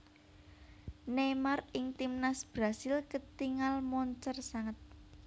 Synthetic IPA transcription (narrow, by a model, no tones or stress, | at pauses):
nemarɪŋt̪imnasb̥ɾasɪlkət̪iŋalmɔɲt͡ʃərsaŋət̪̚